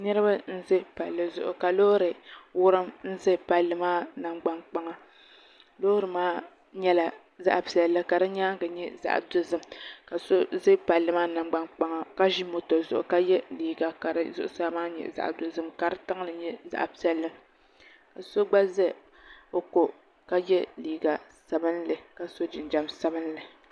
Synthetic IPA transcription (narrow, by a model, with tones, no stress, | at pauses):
nɨ˦ɾɨ˦ba˦n̩˦zɨ˦pa˨lːɨ˨zʊ̰˦˨ʔʊ̰˨ka˨loː˦ɾɨ˨wʊ˦ɾɨ˦mn̩˦zɨ˦pa˨lːɨ˨maː˦na˨mɡ͡ba˦nk͡pa˦ŋa˨ | loː˦ɾɨ˨maː˦ | ɲɛ˦la˨ | za̰˦˨ʔpi˨ɛ˨lːɨ˦ka˨ɾɨ˦ɲaː˦ŋ˦ɡɨ˨ɲɛ˦za̰˨ʔdo˦zɨ˦mka˨so˦zɨ˦pa˨lːɨ˦maː˦na˨mɡ͡ba˦nk͡pa˦ŋa˨ka˦ʒi˦mo˨tɔ˨zʊ̰˨ʔʊ̰˨ka˦jɛ˦liː˨ɡa˨ka˨ɾɨ˦zʊ˦ʔʊ˦sa˦bmaː˦ɲɛ̰˨za̰˨ʔdo˨zɨ˦mka˨ɾɨ˦ta˦ŋ˦lɨ˨ɲɛ˦za̰˨ʔpi˦ɛ˨lːɨ˦ | ka˨so˦ɡ͡ba˦zɨ˦ | o˨ko˨ | ka˦jɛ˦liː˨ɡa˨sa˨bɨ˦nlɨ˨ka˨so˦d͡ʒɪ˨n˨d͡ʒa˨msa˦bɨ˦n˦lɨ˨